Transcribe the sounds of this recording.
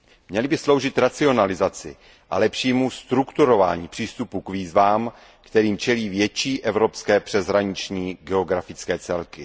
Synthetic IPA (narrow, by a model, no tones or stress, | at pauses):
mɲɛlɪbɪslo̞wʒɪt̪ɾat͡sɪo̞nalɪzat͡sɪ̰ | ʔa̰lɛpʃiːmust̪ɾukt̪uɾo̞va̰ːɲiːpr̥iːst̪upukviːzvaːm | kt̪ɛɾiːmt͡ʃɛliːvjɛt͡ʃiːʔɛvɾo̞pskɛːpr̥ɛzɦɾaɲɪt͡ʃɲiːɡɛo̞ɡɾafɪt͡skɛːt͡sɛlkɪ